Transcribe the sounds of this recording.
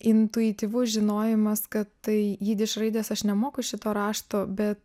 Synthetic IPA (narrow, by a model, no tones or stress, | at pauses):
ɪnt̪ʊɪt̪ʲiːʋʊʒʲɪnoːjɪmɐskɐt̪tɐɪjiːd̪ʲɪʃɾɐɪd̪ʲeːsɐʃnʲɛmoːkʊʃʲɪt̪oːɾɑːʃt̪oːbʲɛt̪